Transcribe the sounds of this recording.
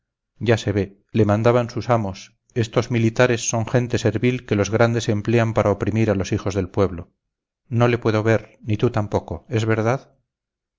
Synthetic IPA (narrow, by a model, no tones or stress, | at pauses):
ɟ͡ʝase̞βe̞ | le̞mãnd̪aβansusamo̞s | e̞st̪o̞zmilit̪aɾesːo̞ŋxe̞nt̪e̞se̞ɾβilkelo̞zɣɾand̪e̞se̞mple̞ampaɾʔaopɾimiɾalo̞sixo̞zðe̞lpwe̞βlo | no̞le̞pwe̞ðo̞βe̞ɾnit̪ut̪ampo̞ko̞e̞zβe̞ɾðað